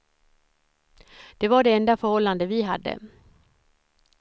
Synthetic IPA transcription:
d̪̥ɛvaɖɛɛnd̪afœɾhɔlːand̪əvɪɦad̪ːə̰

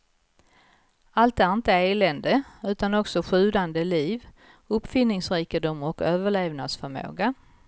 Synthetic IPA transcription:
alt̪æɾɪnt̪əeːlɛnd̪əʉ̟ːt̪anɔksɔɧʉ̟ːd̪and̪əliːv | ɵpːfɪnːɪŋsɾiːkɪd̪ʊmɔkøːvəɭeːvnad̪sfœɾmo̰ːɡa

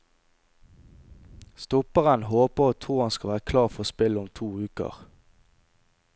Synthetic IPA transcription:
st̪ɔpəʁənhoːpəʁoːt̪ʰʁuːʁhɑnskɑʋæːʁəkʰlɑːʁfɔʁoːspɪlʊmt̪ʰuːʉːkə̰ʁ

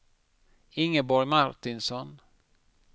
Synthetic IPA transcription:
ɪŋːəbɔɾjmaɾt̪ɪnsɔn

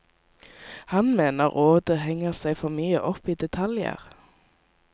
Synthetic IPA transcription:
hɑnmeːnəʁʔoːd̪əɦɛŋəʁsæɪfɔʁmyːə̰ʔɔpiːd̪ɛt̪ʰɑljə̰ʁ

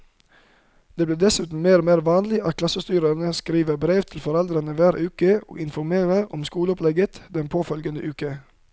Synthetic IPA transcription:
d̪̥eːbleːd̪ɛsʉːt̪n̩meːɾmeːɾʋɑːnlɪʔɑt̪̚kʰlɑsəst̪yːɾəɾnəskɾiːʋəbɾeːʋt̪ʰɪl̩fɔɾɛld̪ɾənəʋæːɾʔʉːkəo̰ːɪnfɔɾmeːɾəʔɔ̰mskuːləɔplɛɡət̪d̪ɛnpʰoːfœlɡənd̪ə̰ʔʉːkə

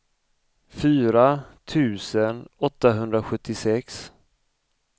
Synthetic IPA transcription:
fyːɾat̪ʰʉ̟ːsənɔt̪ːaɦɵnd̪ɾaɧɵt̪ʰːɪsɛks

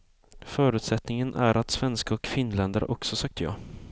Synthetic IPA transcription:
fœːɾʉ̟ːt̪sɛt̪nɪŋənʔæ̰ɾʔat̪svɛnskaɔkfɪnːlɛnd̪əɾ̰ʔɔksɔsak̚t̪əjɑ̰ː

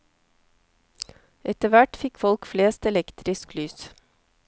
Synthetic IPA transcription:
ʔɛt̪əʋæʈfɪkfɔlkfleːst̪ɛlɛkt̪ɾɪsklyːs

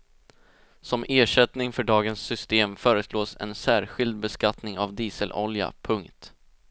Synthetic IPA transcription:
sɔmeːʂɛt̪nɪŋfœɖɑːɡənsːʏst̪eːmfœːɾəsloːsɛ̰nsæːɾɧɪld̪̚bɛskat̪nɪŋavd̪iːsəlʔɔ̰lja̰pʰɵŋkt̪

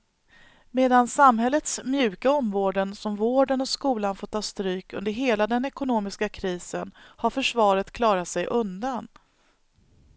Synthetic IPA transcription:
meːd̪ansamɦɛlːət̪smjʉ̟ːkaɔmvoːɖənsɔmvoːɖənɔskuːlanfɔːt̪ʰːɑːst̪ɾyːkɵ̰nd̪əɾɦeːlad̪ɛnɛkʊnoːmɪskakʰɾiːsənhaɾfœʂvɑːɾət̪kʰlɑːɾat̪sɛjʔɵnd̪an

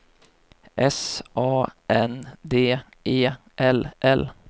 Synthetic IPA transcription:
ʔɛsʔɑːʔɛnd̪eː | ʔeː | ʔɛlʔɛl

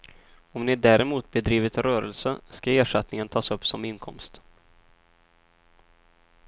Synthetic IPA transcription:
ɔmnɪd̪æːɾɛmuːt̪̚bɛd̪ɾiːvɪt̪ɾœːɾəlsəskaeːʂat̪nɪŋənt̪ʰɑːsɵpːsɔmɪnkʰɔmst̪

